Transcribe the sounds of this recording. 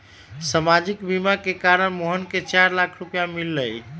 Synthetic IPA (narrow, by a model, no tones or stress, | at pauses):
səmad͡ʒikbimakekaɾənmoɦənket͡ʃaɾlakʰɾupjamilːəj